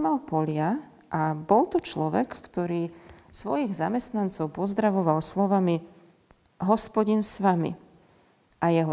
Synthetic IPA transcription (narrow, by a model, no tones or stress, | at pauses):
malpɔlɪa | ʔabɔlt̪ut͡ʃlɔʋɛ̰kːt̪ɔɾiːsʋɔjiɣzamɛst̪nant͡sɔʊpɔzd̪ɾaʋɔʋalslɔʋami | ɦɔspɔɟinsʋamḭ | ʔajɛɦɔ